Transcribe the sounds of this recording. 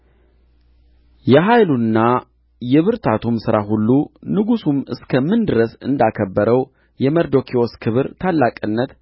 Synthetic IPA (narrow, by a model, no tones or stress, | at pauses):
jɛɦajlunːa | jɛβɨɾt̪ʰat̪ʰumsɨɾaɦulːunɨɡusumɨ̰skʰəmɨnd̪ɨɾəsɨ̰nd̪akʰəbːəɾəw | jɛməɾd̪o̞kʰioskʰɨβɨɾt̪ʰalːakʼɨnːət̪